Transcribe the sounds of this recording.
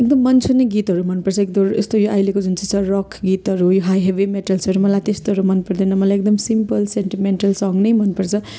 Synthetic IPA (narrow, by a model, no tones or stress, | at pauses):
ek̚d̪ʌmːʌnt͡sʰuneɡit̪ɦʌɾumʌnpʌrt͡sʰʌek̚d̪oest̪ojoʔajlekod͡zunt͡si̥t͡sʰʌrɔkʰɡit̪ɦʌɾujoɦajɦebimeʈʌlsʌɾumʌlajt̪est̪oɦʌɾumʌnpʌrd̪inʌmʌlajek̚d̪ʌmsimpʌlsenʈimeɳʈʌlsʌŋnʌjmʌnpʌrt͡sʰʌ